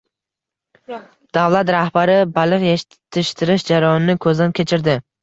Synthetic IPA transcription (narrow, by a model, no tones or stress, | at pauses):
d̪̥awlˠat̪ɾahbaɾɪbalˠɪqjeʃ | t̪ʰːɪʃt̪ʰɪɾɪʃd͡ʒaɾajɒnɪnɪkʰɵzd̪ankʲʰe̞t͡ʃʰɪɾd̪ɪ